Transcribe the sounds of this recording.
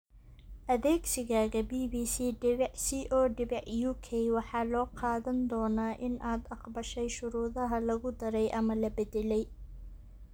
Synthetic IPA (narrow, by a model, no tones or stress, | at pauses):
ʔɐðɛːɡsɪɣaːɣɐbiːbiːsiːɖɪβɛʕsiːʔɔːɖɪβɛʕjuːkʰɛjwɑħɑːlɔːqɑːðɐnd̪ɔːnaːʔɪnʔaːd̪ɑqbɐʃɛjʃʊɾuːðɐɦɐlɐɣʊd̪ɐɾɛjʔɐmɐlɐbɛdɛlɛj